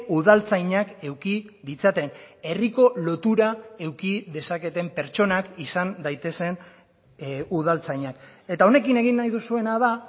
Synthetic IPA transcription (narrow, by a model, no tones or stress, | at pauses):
uðalt͡sajɲake̞wkiðit͡sat̪e̞ne̞riko̞lo̞t̪uɾae̞wkiðe̞sake̞t̪e̞mpe̞ɾt͡ʃo̞nakisand̪ajt̪e̞se̞n | uð̞alt͡sajɲake̞t̪ao̞ne̞kine̞ɣinːajðusue̞nað̞a